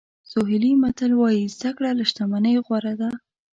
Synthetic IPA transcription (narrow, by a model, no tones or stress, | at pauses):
soɦɪlimat̪əlwɑjizd̪akɽalaʃt̪amanəjɣwaɾad̪a